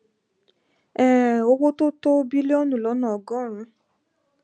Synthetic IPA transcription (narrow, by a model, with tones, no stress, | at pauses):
ɛ̃˨o˦k͡po˦to˦to˦bi˦le˦ɔ˦nũ˨lɔ˨˦nɔ̃˨ɔ˨ɡɔ̃˦˨ɾ̃ũ˧˦